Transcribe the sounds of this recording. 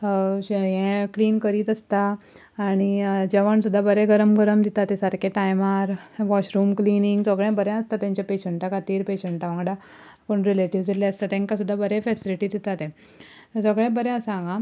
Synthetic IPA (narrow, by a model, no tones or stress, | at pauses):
ɦɛ̃kliːnkəɾiːt̪əst̪aː | ɽ̃id͡ʑɛʋəɳsud̪ʱːabəɾɛ̃ɡəɾəmɡəɾəmd̪it̪at̪ẽsaɾkʰeʈajmaɾʋɔɕɾuːmkliniŋɡsəɡɭɛ̃bəɾɛ̃əst̪at̪ãɲt͡ɕjapeɕəɳʈakat̪iːɾpeɕəɳʈaʋãŋɡɽa | koɳɾileʈiʋd̪eleəst̪at̪ɛ̃ŋkasud̪ʱːabəɾɛfɛsiliʈiːd̪it̪at̪ɛ̃ | səɡɭɛ̃bəɾɛ̃əsãɡã